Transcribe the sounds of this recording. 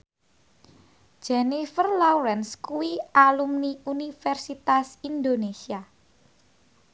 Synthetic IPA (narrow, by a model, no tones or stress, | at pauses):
d͡ʒ̥enifərlawɾɛnskuwiʔalumniunifɛrsit̪asind̪onesia